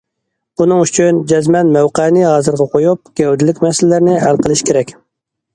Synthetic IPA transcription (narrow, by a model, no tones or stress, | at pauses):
unɨŋyt͡ʃʰynd͡ʒɛzmɛnmæwqɛnɪɦɑːzɨɾʁɛqʰojup̚ɡʲɛwd̪ɪlɪkʲmɛsɪlɪlæɾnɪɦælˠqʰəlˠɨʃkʲʰeɾɛkʲ